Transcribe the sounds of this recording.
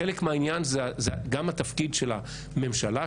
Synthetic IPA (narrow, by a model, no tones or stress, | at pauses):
elekmeainjanzezeɡamat̪afkidʃela | me̞mʃala